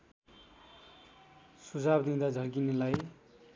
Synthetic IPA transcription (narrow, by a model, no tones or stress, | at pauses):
sud͡zʱabd̪ĩd̪ad͡zʱʌrɡinelaj